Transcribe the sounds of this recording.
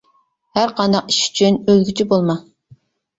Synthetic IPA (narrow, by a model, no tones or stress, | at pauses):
hæɾqʰɑnd̪ɑqi̥ʃy̥t͡ʃʰynølɡʲyt͡ʃʰibolˠmɑ